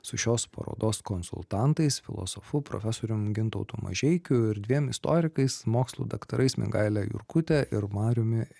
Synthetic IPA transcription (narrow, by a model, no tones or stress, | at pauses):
sʊʃʲoːspɐ̰ɾo̰ːd̪oːskɔnsʊ̰lˠt̪ɑˑnt̪ɐɪsfʲɪlˠo̰sofʊpɾo̰ːfʲæsoːɾʲʊmɡʲɪnt̪oʊt̪ʊmɐ̰ʒʲɛɪkʲʊɪɾd̪ʲʋʲiɛmɪst̪oːɾʲɪkɐɪsmoːkslˠṵːd̪ɐkt̪ɐɾʔɐɪsmʲɪ̰ŋɡɐɪlʲæjʊ̰ɾkʊt̪ʲɛʔɪɾmɑːɾʲʊmʲɪ